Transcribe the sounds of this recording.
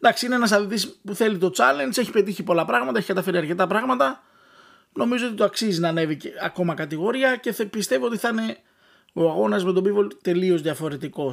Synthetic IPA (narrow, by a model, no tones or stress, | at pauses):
nd̪ɐksiineenɐsɐðit̪ispuθe̞lit̪o̞t͡sɐle̞nd͡ze̞çi̥pe̞t̪̬içipo̞lɐpɾɐɣmɐt̪ɐeçikɐt̪ɐfe̞ɾiɐɾce̞t̪ɐpɾɐɣmɐt̪ɐ | no̞mizo̞o̞t̪it̪oɐksizinɐne̞vieɐko̞mɐkɐt̪iɣo̞ɾiɐce̞θpist̪e̞vio̞t̪iθne̞ | o̞ɐɣo̞nɐzme̞t̪o̞bivolt̪e̞lio̞zðiɐfo̞ɾe̞t̪iko̞